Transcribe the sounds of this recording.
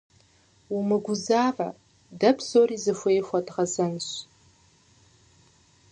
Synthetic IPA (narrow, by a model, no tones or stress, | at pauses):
umɨɡʷʊzaːvɐ̰ | dɐbz̥oɾiːzɨfʷejxʷɐdʁɐzɐnɕ